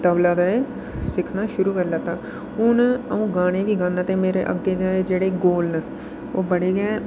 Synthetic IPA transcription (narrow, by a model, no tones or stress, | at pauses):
t̪əʋlaːd̪aːe | sɪkʰnaːʃʊɾuːkəɾlaːt̪aː | ʊnəũːɡaːnẽːʋiːɡãːnãːt̪ẽːmeːɾḛːʔə̰ɡːeːd̪aːeːd͡ʒeːɽeːɡoːlnə | oːbəɽeːɡɛː